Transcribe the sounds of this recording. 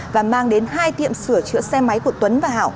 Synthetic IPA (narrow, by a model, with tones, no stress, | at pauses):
vaː˨˩maː˧ŋɗe˨˦nɦaː˧jt̪ḭ˧˨əmsɨ˧˩ət͡ɕɨ̰˧˥əsɛ˧ma˨˦jku˧˩ət̪wə˨˦nvaː˨˩ɦa̰ː˧˨w